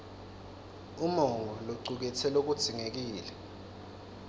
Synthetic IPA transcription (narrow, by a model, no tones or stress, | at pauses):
umɔŋɡʱɔloǀuk̬ɛtʰɛlok̬ud̥z̥ʱiŋek̬iːlɛ